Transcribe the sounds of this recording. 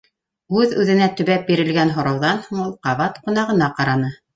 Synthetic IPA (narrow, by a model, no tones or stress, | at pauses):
ʉðʉðɘ̆næt̪ɵ̆βæp̚biɾɘ̆lɡænɦŏɾɑwðɑnhuɴulˠqɑβɑt̪qŏn̪ɑʁɤ̆nɑqɑɾɑnɤ